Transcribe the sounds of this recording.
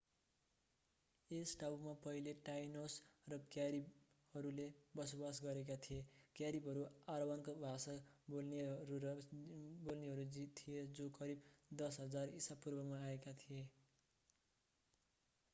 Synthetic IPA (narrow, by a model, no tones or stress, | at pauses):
esʈawmapʌɦileʈajnosrʌkjaɾib | hʌɾulebʌsobasɡʌɾek̬at̪ʰijekjaɾibɦʌɾuaɾʌwankobʱasʌbolnɾuʌbolneɦʌɾud͡zit̪ʰːijed͡zokʌɾibd̪ʌsɦʌd͡zarisapurbʌmaːekat̪ʰije